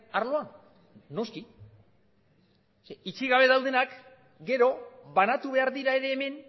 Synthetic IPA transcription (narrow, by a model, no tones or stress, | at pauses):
aɾlo̞anː | o̞ski | it͡ʃiɣaβ̞e̞ðawðe̞nak | ɡe̞ɾo̞βanat̪uβe̞aɾðiɾae̞ɾe̞ːme̞n